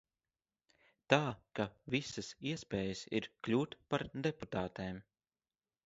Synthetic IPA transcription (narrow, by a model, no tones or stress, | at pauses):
t̪aːkavisɐsiɛspʲɛːjəsḭɾklʲuːt̪paɾd̪eput̪aːt̪eːm